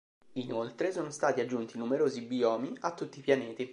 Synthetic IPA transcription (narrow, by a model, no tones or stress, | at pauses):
inolt̪ɾesoːnost̪aːt̪iad͡ʒːunt̪inumeɾoːzibiɔːmiat̪ːut̪ːipjaneːt̪i